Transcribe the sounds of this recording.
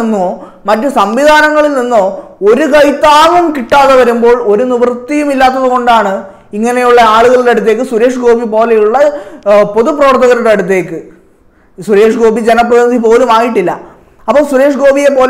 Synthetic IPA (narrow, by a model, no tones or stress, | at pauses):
nːoː | mɐtːɨsɐmʋiðʱaːnɐŋːɐɭilninːoːo̞ɾukɐjt̪ːaːʋɐmkiʈːaːðeʋɐɾumbo̞ːɭo̞ɾuniʋɐrt̪ːijumilːaːt̪̬ːɐðuɣo̞ɳɖaːɳɨ | iŋːɐne̞juɭːɐaːɭuɣɐɭeɐɽut̪̬ːe̞ːk̬ːɨswuɾe̞ːʂɨɡo̞ːbʱipo̞ːlejuɭːɐpo̞ðuprɐʋɐrt̪ːɐɣɐɾɾeɐɽut̪̬ːe̞ːkːɨ | swuɾe̞ːʂɨɡo̞ːbid͡ʑenɐp̬ːrɐðiɐd̪ipo̞ːlumaːjiʈːilːɐ̰ | ɐpːoːɭswuɾe̞ːʂɡo̞ːbʱijep̬o̞ːl